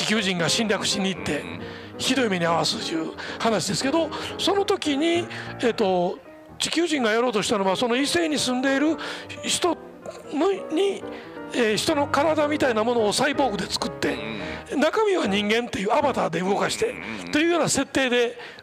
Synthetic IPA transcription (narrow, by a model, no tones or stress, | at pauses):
d͡ʑikʲɨːʑĩŋɡaɕĩnɾʲjakɯ̟̥ɕĩɲ̟ːiːt̪ːe̞ | çid̪o̞imeɲ̟iaβasɨt̪jɯ̟ːhanaɕid̪e̞sɨ̥ke̞d̪o̞so̞no̞t̪o̞kʲiɲ̟ieːt̪ːo̞ | d͡ʑikʲɨːʑĩŋɡajoɾo̞ːt̪o̞ɕi̥t̪ano̞βaso̞no̞ise̞ːɲ̟isɨ̃nd̪e̞iɾɯ̟ɕi̥t̪o̞ | noɲ̟i | eːɕi̥t̪o̞no̞kaɾad̪amʲit̪ainamo̞no̞ːsaibo̞ːɡɯ̟d̪e̞t͡sɨ̥kɯ̟t̪ːe̞nakamʲiβaɲ̟ĩŋɡẽ̞nt̪ːe̞jɯːabat̪ad̪e̞ɯ̟ɡo̞kaɕi̥t̪e̞t̪o̞jɯ̟ːjo̞ːnase̞t̪ːe̞ːd̪e̞